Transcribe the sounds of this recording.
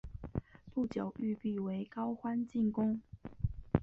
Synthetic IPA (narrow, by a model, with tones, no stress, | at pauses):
pu˥˩t͡ɕjo˨˩ʊʔy˥˧pi˥˩we˧˥ɪkɑ˥ʊxwa˥nt͡ɕi˥˩ŋkʊ˥ŋ